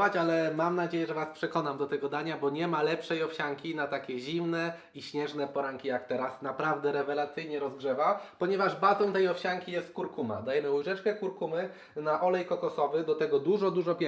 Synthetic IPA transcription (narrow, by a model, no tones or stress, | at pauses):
vat͡ɕalɛmamnad͡ʑejɛʐɛvaspʂɛkɔnamd̪ɔt̪ɛɡɔd̪aɲabɔɲɛmalɛpʂɛjɔfɕaŋkʲinat̪akʲɛʑimnɛ | iɕɲɛʐnɛpɔɾaŋkʲijakt̪ɛɾasnapɾavd̪ɛɾɛvɛlat̪sɘjɲɛɾɔzɡʐɛvapɔɲɛvaʐbat̪ɔ̃w̃t̪ɛjɔfɕaŋkʲijɛst̪̚kuɾkuma̰d̪ajɛmɘuʐɛt͡ʂkɛkuɾkumɘ | naʔɔlɛjkɔkɔsɔvɘd̪ɔt̪ɛɡɔd̪uʐɔd̪uʐɔpʲɛ